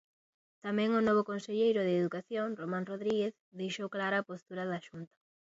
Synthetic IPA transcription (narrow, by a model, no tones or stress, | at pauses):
t̪amɛ̃ŋʊnɔβ̞okonseʎejɾʊðeːðukaθjoŋromãŋroðɾiɣeθ | ðejʃowklaɾɐːpost̪uɾɐðaʃunt̪ɐ̥